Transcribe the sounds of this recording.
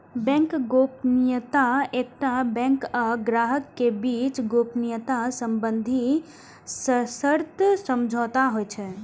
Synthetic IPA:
bɛ̃ŋkɡoːpnijət̪aeːk̚ʈabɛ̃ŋkəɡɾaɦəkːebiːt͡ʃɡoːpnijət̪asəmbənd̪ʱi | ssəɾt̪səmd͡ʒʱɔːt̪aɦojt͡ʃʰɛ

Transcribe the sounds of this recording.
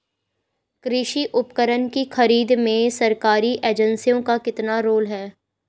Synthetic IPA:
kɾɪʃiʔʊpkəɾənkixɐɾiːd̪mẽsɐɾkaːɾiʔeːd͡ʒə̃nsijõkakɪt̪naɾoːlɦɛː

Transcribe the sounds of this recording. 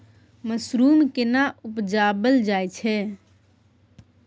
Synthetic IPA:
məsɾumkenaʔupd͡ʒabəld͡ʒajt͡ʃʰɛ

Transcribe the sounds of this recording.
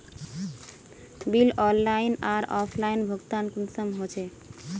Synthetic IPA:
bilɔlːainaɾɔpʰlainbʱoɡt̪ankunsəmɦot͡ʃʰe

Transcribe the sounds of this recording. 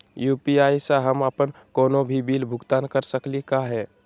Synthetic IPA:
juːpiaːisaɦəməpənkɔːnobʱibilbʱʊɡt̪aːnkəɾsəklikaɦɛː

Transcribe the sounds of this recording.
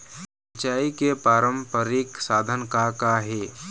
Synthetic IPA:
sət͡ʃaːikepaːɾəmpəɾɪksaːd̪ʱənkakaɦe

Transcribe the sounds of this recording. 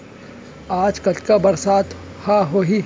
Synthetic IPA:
aːd͡ʒkɐt͡ʃkabɐɾsaːt̪ʰ | haɦoːɦi

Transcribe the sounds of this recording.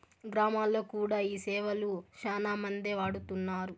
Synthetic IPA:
ɡɾaːmaːlːo̞ːkuːɽaːiːsɛːʋɐluʃaːnaːmɐnd̪eʋaːɽut̪unːaːɾu

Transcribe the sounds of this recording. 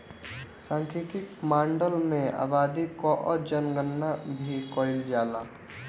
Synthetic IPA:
sãːŋkʰit̪ɪkmãːɳɖəlmẽa̰ːbaːd̪ikoʔɔd͡ʒənɡənːabʱikɔːɪld͡ʒaːlaː

